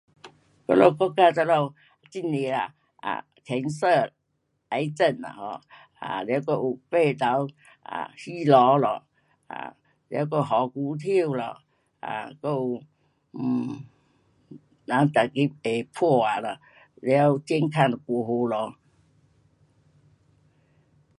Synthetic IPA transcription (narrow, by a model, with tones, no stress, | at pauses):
kɔ̰˥˧lɔ˧kɔ˦˧ka˧t͡sa˧lɔ˧ | t͡ɕi˧˩ni˨la̰˨ | a̰˨ | t̪ʰɛ˨˦nsə˧ | a˨˧˦jt͡sə˥˧˨na̰˨hɔ˧˩ | a˨ljwkɔ˧u˨˩pe˥˧˨t̪a˨˦w | a̰˨hi˦lɔ˨˧˦lɔ˨ | a̰˨ | lj̰wk̬o˥˧ɦɔ˨˦ku˧˦t̪ʰi˥˧˨wlɔ˨ | a̰˨ko˧u˨˩˨ | na˨˦ŋt̪a˨˩ki˦˥e˨˩pʰɔ˥˧˩a˨˩lɔ˨˩ | ljwt͡ɕjɛ˧˦nkʰa˥˧˨n˨kɔ˨˩ɦo˧lɔ˨˧˦